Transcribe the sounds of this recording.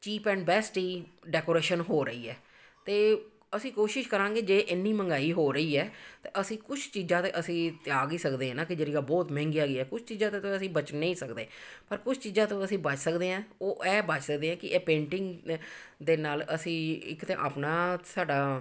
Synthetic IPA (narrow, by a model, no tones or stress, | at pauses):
t͡ʃiːpɛ̃ːɳɖbɛːsʈiːɖɛːkoːɾeːʃənɦoːɾəiːɛː | t̪eː | əsĩːkoːʃɪʃkəɾãːɡeːd͡ʒeːʔɪnːiːməŋɡaːiːɦoːɾəiːɛːt̪eːʔəsĩːkʊt͡ʃʰt͡ʃiːzãːt̪eːʔəsĩːt̪ɪaːɡiːsəkd̪eːãːnãːkɪd͡ʒeːɾiːɡaːbɔːt̪mɛ̃ːŋɡiaːɡiːɛːkʊt͡ʃʰt͡ʃiːzãːt̪eːt̪õəsĩːbət͡ʃnə̃ĩːsəkd̪ḛːpəɾkʊt͡ʃʰt͡ʃiːzãːt̪õːəsĩːbət͡ʃsəkd̪eːãːoːʔɛːbət͡ʃsək̚d̪eːãːkɪʔɛːpẽːɳʈɪŋɡd̪eːnaːləsĩːɪ̰kt̪ḛ̃ːʔaːpnaːsaːɖaː